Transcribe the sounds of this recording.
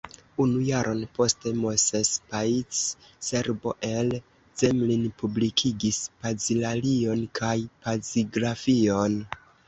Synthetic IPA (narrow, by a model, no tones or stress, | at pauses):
unujaɾʔo̞npo̞ste̞mosespait͡s | se̞ɾbo̞ʔe̞l | z̥emlinpublikʰiɡispazilalio̞nkʰajpaziɡɾafio̞n